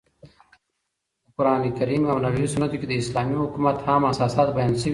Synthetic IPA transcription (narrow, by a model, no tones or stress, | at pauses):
kʊɾaːnikɐɾiːmɐwnɐɽiisunɐt̪ukid̪əɪslaːmiɦukumɐt̪haːmɐsaːsaːt̪̚bɐjaːnsə